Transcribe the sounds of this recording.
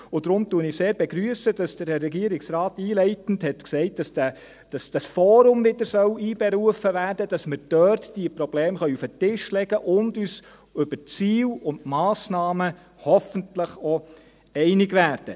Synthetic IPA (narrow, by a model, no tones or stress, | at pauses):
ʊdɾʊmtuənɪseːɾbɛɡɾyəsədɑsd̥əɾɾɛɡiəɾɪksɾɑːtiːlɛɪtn̩dhɛtksɛɪt̚d̥ɑsd̥æ | d̥ɑsd̥ɑsfɔːɾʊmvɪdəɾsœwiːb̥ɛɾuəfəvæːɾd̥əd̥ɑsmɪɾd̥œɾtd̥iəpɾɔb̥leːmχœʏufətɪʃlɛɡ̥əʔʊndyːs | ʏbəɾt͡siːwʊntmɑːsnɑːmə | hɔfəntləχɔ | ɛɪnɪɡʋæːɾd̥ə